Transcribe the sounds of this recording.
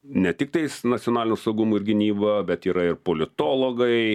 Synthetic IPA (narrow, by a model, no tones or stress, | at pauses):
nʲɛt̪ʲɪk̚t̪ɐɪsnɐt͡ssʲioːnɑːlʲɪnʲuːsɐʊɡʊmuːɪɾɡʲɪnʲiːbɐbʲɛt̪iːɾɐɪɾpoːlʲɪt̪oːlˠoːɡɐɪ